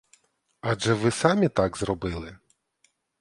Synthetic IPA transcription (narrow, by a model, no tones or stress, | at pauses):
ɑʒɛʋɪsɑmʲit̪ɑɡzɾɔbɪlˠɪ